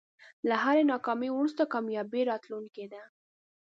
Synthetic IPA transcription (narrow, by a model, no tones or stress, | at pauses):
laɦaɾenɑkɑmewuɽust̪akamjɑbeɾɑt̪lunked̪a